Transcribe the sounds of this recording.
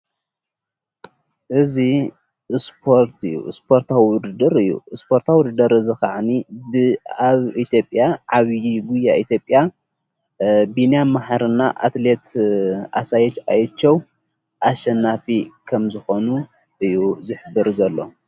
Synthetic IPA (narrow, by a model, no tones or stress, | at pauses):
ʔɨzi | spʰo̞ɾt̪ʰɨjːṵspʰo̞ɾt̪ʰawiwʊd̪ɨd̪ɨɾɨjːṵɨspʰo̞ɾt̪ʰawʊd̪ɨd̪ɐɾɨzɨxaʕnibɨaβit̪ʰjo̞pʼːjaʕaβjiɡujaʔit̪ʰjo̞pʼːja | binjamaħaɾɨnːaʔa̰t̪let̪ʰa̰sajɛt͡ʃajɛt͡ʃːɐw | ʔaʃɐnːafikʰɐmzɨxo̞nu | ʔɨjːuzɨħɨbːɨɾzɐlːo̞̰